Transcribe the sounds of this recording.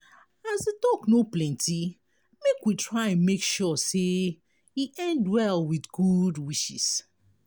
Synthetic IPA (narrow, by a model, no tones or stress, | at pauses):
azetɔknoplɛ̃nti | mekwitɹaɪãnmekʃɔse | iʔɛ̃ndwɛlwidɡudwiʃḭs